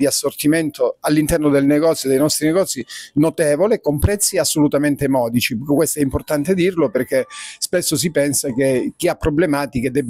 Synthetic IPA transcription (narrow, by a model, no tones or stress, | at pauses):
d̪iasːort̪iment̪ʰoalːint̪ɛrnod̪elneɡɔt̪sjod̪ejnɔst̪ɾineɡɔt̪sːinot̪ɛːvolekompɾɛt̪sːiasːolut̪ament̪emɔːd̪it͡ʃikkwest̪oɛimport̪ant̪ed̪irloperk̟espesːos̬ipɛnsak̟ek̟ːiapːɾoblemaːt̪ik̟ed̪ɛbː